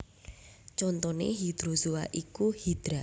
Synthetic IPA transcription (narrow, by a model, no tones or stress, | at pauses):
t͡ʃɔnt̪ɔnḛɦid̪̥ɾosuaʔikuhid̪̥ɾa